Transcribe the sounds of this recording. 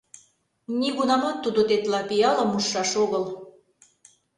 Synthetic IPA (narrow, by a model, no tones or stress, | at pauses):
nʲiɣunɑmɑt̪ːud̪ot̪et̪lɑpijɑləmuʃːɑʃoɣɤl